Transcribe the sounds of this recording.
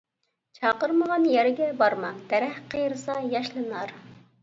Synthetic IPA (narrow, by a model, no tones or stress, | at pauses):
t͡ʃʰɑːqəɾməʁɑnjæɾɪɡʲɛbɑɾmɑd̪̥ɛɾɛhqʰəjɾɨsɑjɑʃlˠɨnɑɾ